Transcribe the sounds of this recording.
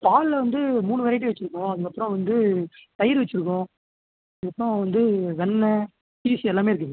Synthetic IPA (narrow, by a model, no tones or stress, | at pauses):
paːllɐʋɐnd̪ɯmuːɳɯʋɐːɾɐɪʈːɯʋɛt͡ʃːɪɾɯkːʊ̃ɐðɯkːɐpːɾɔ̃ʋɐnd̪ɯt̪ɐjɪɾʋɛt͡ʃːɪɾɯkːõ | ɐððɯkːɐpːɯɾɔ̃ʋɐnd̪ɯʋɛnːɐ | siːsiɛlːaːmeːɪɾɯkːɯŋɐ